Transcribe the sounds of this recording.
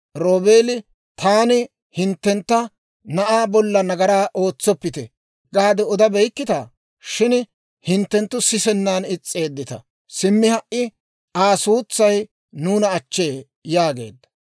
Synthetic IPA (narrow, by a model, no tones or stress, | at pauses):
ɾoːbeːlɪ | t̪ʰaːnɪ | hɪnt̪ːɛnt̪ːɐ | nɐʔaːbɔlːɐnɐɡɐɾaːʔo̞ːt͡sːɔpːɪt̪ɛ | ɡaːd̪ɛɔd̪ɐbɛjkːɪt̪a̰ː | ʃɪn | hɪnt̪ːɛnt̪ːʊsɪsɛnːaːnɪt͡sʼːe̞ːd̪ːɪt̪ɐ̰ | sɪmːɪhɐʔʔɪ | aːsuːt͡sːɐj | nuːnɐːt͡ʃːe̞ː | jaːɡe̞̰ːd̪ːɐ̥